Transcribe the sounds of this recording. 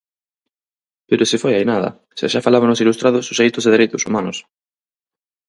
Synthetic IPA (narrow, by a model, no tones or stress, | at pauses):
peɾʊsɪfojajnaðɐ̰ | sa̰ʃafalaβanʊsilust̪ɾaðʊsosejt̪ʊzðeðeɾejt̪ʊsumanʊs